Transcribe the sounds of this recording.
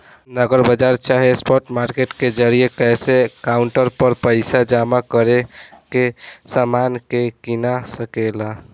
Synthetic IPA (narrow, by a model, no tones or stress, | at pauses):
nəɡəɾbəd͡ʒaɾt͡ʃaɦespɔʈmaɾkeʈked͡ʒəɾijekɛjsekauɳʈəɾpəɾpəɪsad͡ʒamakəɾekesamankekinasəkela